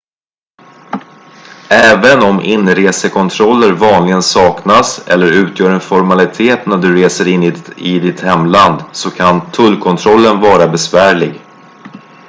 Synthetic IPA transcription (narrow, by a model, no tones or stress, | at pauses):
ɛːvənɔmʔɪnːɾeːsəkʰɔnt̪ʰɾɔlːəɾvɑːnlɪɡənsɑːknasɛ̰lːəɾʉ̟ːt̪ʰjœːɾɛnfɔɾmalɪt̪ʰeːt̪næɖɵɾeːsəɾɪnːɪɪd̪ɪt̪hɛmːland̪sɔkʰant̪ʰɵlːkʰɔnt̪ʰɾɔlːənvɑːɾabɛsvæːɭɪɡ